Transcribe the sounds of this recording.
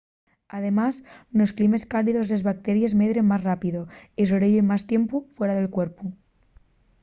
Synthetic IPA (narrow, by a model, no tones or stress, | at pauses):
að̞e̞masnosklime̞skaliðo̞zlezβak̚t̪eɾjezmeðɾe̞mmazrapiðoesoβɾeʎoimast̪je̞mpufweɾaðe̞lkweɾpu